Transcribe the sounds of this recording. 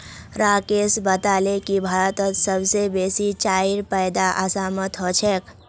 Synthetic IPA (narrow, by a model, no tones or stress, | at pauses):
ɾakesbət̪alekibʱaɾət̪ət̪səbsebesit͡ʃaiɾpəjd̪aʔəsamət̪ɦot͡ʃʰɛk